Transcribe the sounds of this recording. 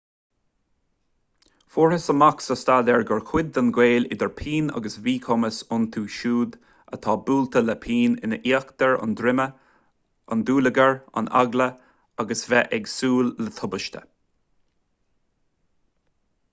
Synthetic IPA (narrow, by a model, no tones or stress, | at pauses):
fuːɹəsəmaksəst̪adɛɹɡəɹkʰwɪd̪̚ːanɡweːlɪ̰d̪əɹpʰiːna̰ɡəsviːkʰoməsʊnt̪ʰuːʃuːd̪ | ət̪ʰɑːbuːlt̪ʰələpʰiːnɪ̰nəʔiːəkt̪əɹɑ̰nd̪ɾɪmə | ʔa̰nd̪uːləɡəɹa̰na̰ɡlə | aɡəsvɛʔɛɡsuːlːət̪ʰʊbəʃt̪ʰə̰